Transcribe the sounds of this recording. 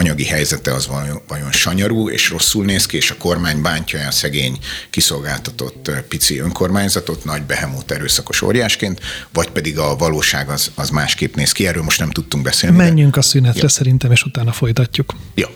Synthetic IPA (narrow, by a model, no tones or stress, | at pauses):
ɒɲɒɡiɦɛjzɛt̪ɛɒzvɒjo̞nʃɒɲɒɾuːḛːʃro̞sːulneːskieːʃɒko̞rmaːɲbaːɲcɒjɛːsɛɡeːɲkiso̞lɡaːlt̪ɒt̪o̞̰t̪ːpit̪siøŋko̞rmaːɲzɒt̪o̞t̪nɒɟbɛɦɛmoːt̪ɛɾøːsɒko̞ʃo̰rjaːʃkeːnt̪vɒcpɛd̪iɡɒvɒloːʃaːɡɒzɒzmaːʃkeːpneːskiɛrːøːlmo̞ʃt̪nɛmt̪ut̪ːuŋɡbɛseːlnimɛɲːyŋkɒsynɛt̪rɛsɛɾint̪ɛmeːʃut̪aːnɒfo̞jt̪ɒcːukjo